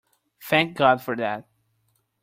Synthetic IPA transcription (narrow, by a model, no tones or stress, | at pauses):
θʰæ̃ŋk̚ɡɑdfɔɾðæt̚